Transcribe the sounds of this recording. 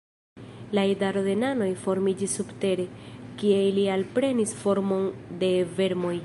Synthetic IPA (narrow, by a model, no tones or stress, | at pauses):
laedaɾode̞nano̞jfo̞ɾmid͡ʒisːubte̞ɾe̞kielialpɾe̞nisfo̞ɾmo̞nde̞ve̞ɾmo̞j